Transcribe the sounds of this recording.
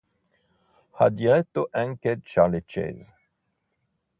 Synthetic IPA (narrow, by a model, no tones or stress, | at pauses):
had̪iʁɛt̪ːoʔɛ̃ŋked̪t͡ʃaʁlet͡ʃɛ̰z